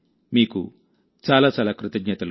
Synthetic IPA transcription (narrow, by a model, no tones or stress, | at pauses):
miːkṵ | t͡ʃaːlaːt͡ʃaːlaːkɾut̪ɐɡɲɐt̪ɐl